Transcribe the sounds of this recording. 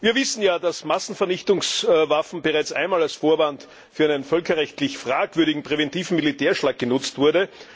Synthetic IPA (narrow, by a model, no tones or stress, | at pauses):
viːɐvɪsn̩jaːdasmasn̩fɛɐnɪçtʊŋsvafn̩bəʁaɪt͡sʔa̰ɪnmaːlalsfoːɐvant | fyːɐæɪnənfœlkɐʁɛçtlɪçfʁ̥aːkv̥ʏɐɾɪɡŋ̩pʁ̥evɛntiːvn̩militeːɐʃlaːk̚ɡ̥ənʊt͡stv̥ʊɐdə